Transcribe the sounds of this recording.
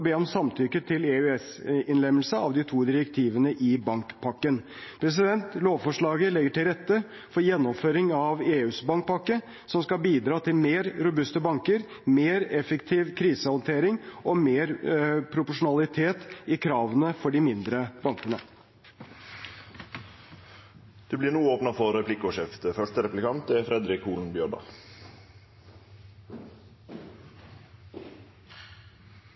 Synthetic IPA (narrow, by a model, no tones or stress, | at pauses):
beːɔmsɑmt̪ʰʏkət̪ʰɪleʉɛsɪnlɛmːəl̩səɑ̰ʋd̪ɪt̪ʰuːd̪ɪɾəkt̪ʰiːʋənəʔɪbɑŋkpʰɑkːən | pʰɾɛs̬ɪd̪ɛnt̪loːʋfɔʂɭɑːɡəlɛɡːəʈɪlɾɛt̪ːə | fɔɾjɛnːɔmføːɾɪŋɑʋeːʉːsbɑŋk̚pʰɑkːə | sɔmskɑbiːd̪ɾɑːt̪ʰɪlmeːɾɾʊbʉst̪əbɑŋkəɾ | meːɾɛfəkt̪ʰiːʋkʰɾiːsəhɔnt̪ʰeːɾɪŋɔmeːɾpʰɾʊpʊʂʊnɑlɪt̪ʰeːt̪ɪkʰɾɑːʋənəfɔɖɪmɪnd̪ɾəbɑŋkənə | d̪̥ʉblɪːɾnuːəoːpnɑfɔɾɛpʰlɪkʊʂɛft̪əfœʂtəɾɛplɪkʰɑnt̪ɛfɾɛd̪ɾɪkuːln̩bjøːɖɑ̰ː